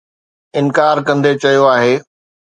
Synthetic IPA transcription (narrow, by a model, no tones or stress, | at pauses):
ɪ̃nkaːɾkɐ̃nd̪et͡ɕɐijoaːɦeː